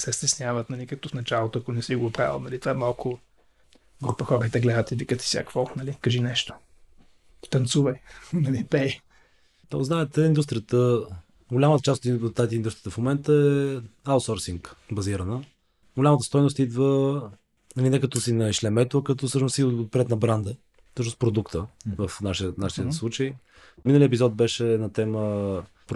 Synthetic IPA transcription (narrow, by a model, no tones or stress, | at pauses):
sɛst̪ɛsnʲavət̪nɐlʲikɐk̚t̪ofnɐt͡ʃalˠot̪oɐkʊnɛsiɡopɾa̰vˠə̰nɐlit̪vaɛmalˠkʊ | ɡɾupəxɔɾəit̪ɛɡlɛd̪ət̪ivikət̪i̥sʲja̰kv̥ɔnɐlikɐʒinɛʃt̪o̥ | i̥t̪ɐnt̪suvəjnɐlipɛj | d̪ɔ̰znaɛt̪ɛind̪ust̪ɾʲiət̪ə | ɡolʲamət̪ət͡ʃast̪ot̪ːat̪ind̪ust̪ɾijə̥t̪əfmomɛnt̪əɛaʊsɔɾsiŋkbɐziɾənə | ɡolʲamət̪əst̪ɔjnʊst̪id̪və | nɐlinɛkɐt̪ɔsinɐʃlɛmɛt̪oɐkɐt̪ɔfsɤʃnʊsiot̪̚pɾɛt̪nɐbɾand̪ə | fsɤʃ̬nʊspɾod̪ukt̪əvəfnaʃiənaʃiəslˠut͡ʃəj | minəliɛpizɔt̪̚bɛʃɛnɐt̪ɛmə | p